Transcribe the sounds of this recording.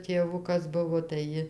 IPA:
tʲeːˈʋʊkɐs ˈbʊʋoː tɐɪ ˈjɪ

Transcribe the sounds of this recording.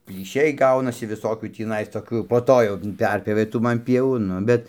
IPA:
pʲlʲiːˈʃʲɛɪ ˈɡɐʊnɐsʲɪ ʋʲɪˈsoːkʲuː tʲiːˈnɐɪs ˈtoːkʲuː jɛʊ poː ˈtoː jɛʊ ˈpʲɛrʲpʲjoːʋʲeː ˈtuː ˈmɐn ˈpʲiɛʋuː ˈnʊ bʲɛt

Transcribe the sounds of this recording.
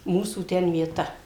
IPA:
ˈmuːsuː ˈtʲɛn ʋʲiɛˈtɐ

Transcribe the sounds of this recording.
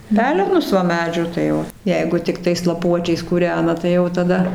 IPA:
ˈpʲæːlʲɛnʊs ʋɐ ˈmʲæːd͡ʒʲuː tɐɪ ˈoː ˈjɛɪɡʊ tʲɪkˈtɐɪs lˠɐˈpuɔt͡ʃʲɛɪs kuːˈrʲæːnɐ tɐɪ ˈjɛʊ tɐˈdɐ

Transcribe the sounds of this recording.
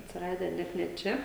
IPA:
ɐtʲsʲɪˈrɑːdʲæː ˈnʲɛt nʲɛ ˈt͡ʃʲɛ

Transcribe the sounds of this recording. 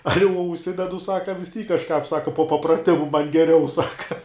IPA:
ˈɑːlʲɪ uɔ ʊʃʲˈsʲɪdʲɛdʊ ˈsɑːkɐ ʋʲɪs ˈtʲiːk kɐʃˈkɑːp ˈsɑːkɐ poː pɐprɐˈtʲɪmʊ mɐn ɡʲɛˈrʲɛʊ ˈsɑːkɐ

